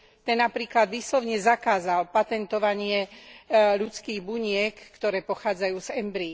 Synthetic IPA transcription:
t̪ɛnːapɾiːklad̪ʋiːslɔʊɲɛzakaːzalpat̪ɛnt̪ɔʋaɲɪɛ | ʎut͡skiːɣbuɲɪɛkːt̪ɔɾɛːpɔxaːd͡zajuːzɛmbɾi

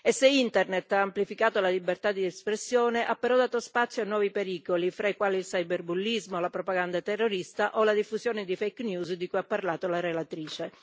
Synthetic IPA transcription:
eseint̪ernet̪ːaːmplifikaːt̪olalibert̪ad̪iɛspɾesːjoːneʔapːeɾɔd̪aːt̪ospat̪sːjoanːwɔːvipeɾiːkolifɾaikwaːliilsajberbulːizmolapɾopaɡand̪at̪ɛrːoɾist̪aʔolad̪ifːuzjoːned̪ifejknjuːzd̪ikujapːarlaːt̪olaɾelat̪ɾiːt͡ʃe

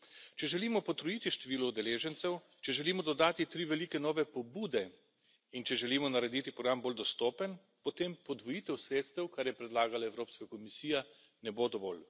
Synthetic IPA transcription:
t͡ʃɛʒɛliːmɔpɔt̪ɾɔjiːt̪iʃt̪ɛʋiːlɔud̪ɛleːʒɛnt̪sɛw | t͡ʃɛʒɛliːmɔd̪ɔd̪aːt̪it̪ɾiːʋɛliːkɛnɔːʋɛpɔbuːd̪ɛ | int͡ʃɛʒɛliːmɔnaɾɛd̪it̪ipɾɔɡɾamboːld̪ɔst̪oːpən | pɔt̪empɔd̪ʋɔjit̪ɛwsɾeːt̪st̪ɛwkaɾjɛpɾɛd̪laːɡalaɛwɾoːpskakɔmisiːja | nɛbod̪ɔʋɔ̰ːl

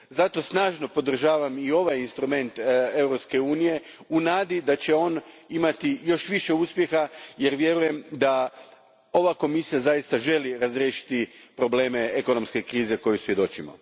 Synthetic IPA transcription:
zat̪o̞snaːʒno̞po̞d̪r̩ʒaːʋamio̞ʋajinst̪ɾume̞nt̪e̞wɾopske̞uːnije̞unaːd̪id̪at͡ɕe̞o̞n | imat̪ijo̞ʃʋiʃe̞uspje̞xaje̞ɾʋje̞ɾuje̞md̪a | o̞ʋako̞misijazajist̪aʒe̞liɾazɾjeːʃi̥t̪ipɾo̞ble̞ːme̞eko̞no̞mske̞kɾiːze̞ko̞jusʋje̞d̪o̞t͡ɕimo̰

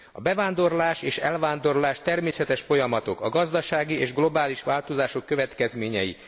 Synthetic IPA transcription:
ɒbɛvaːnd̪o̞rlaːʃeːʃɛlvaːnd̪o̞rlaːʃt̪ɛrmeːsɛt̪ɛʃfo̞jɒmɒt̪o̞kɒɡɒzd̪ɒʃaːɡieːʒɡlo̞baːliʃʋaːlt̪o̞zaːʃo̞kːøvɛt̪kɛzmeːɲɛ̰jḭ

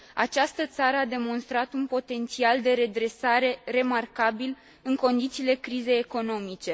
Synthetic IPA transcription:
a̰t͡ʃast̪ət̪saɾəad̪e̞mo̞nst̪ɾat̪unpo̞t̪e̞nt̪siald̪e̞ɾe̞d̪ɾe̞saɾe̞re̞markabil | ɨŋko̞nd̪it̪siːle̞kɾize̞jeko̞no̞mit͡ʃe̞

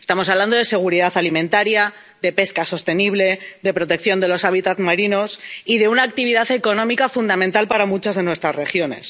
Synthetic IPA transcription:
et̪amo̞saβland̪o̞ð̞e̞se̞ɣ̞uɾiðaθalimẽ̞nt̪aɾja | ðe̞pe̞skaso̞st̪e̞niβle̞ðe̞pɾo̞t̪e̞kθjond̪e̞lo̞saβit̪at̪maɾino̞siðe̞unaːk̚t̪iβiðaθe̞ko̞nõ̞mikafund̪amẽnt̪alpaɾamut͡ʃazðe̞nwe̞st̪ɾazrexjo̞ne̞̰s

